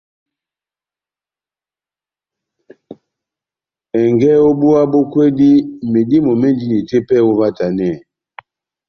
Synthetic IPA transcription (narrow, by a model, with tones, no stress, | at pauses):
ɛ˨ŋɡɛ˦o˦bu˦a˦bo˦kwe˦di˦me˨di˦mo˨mɛ˦ndi˦ni˨te˦pɛ˦˨o˦va˦ta˨nɛ˦˨